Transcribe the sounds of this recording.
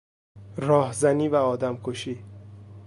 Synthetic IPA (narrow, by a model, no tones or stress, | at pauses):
ɾɒːhzæniːvæɒːd̪æmkʰoʃiː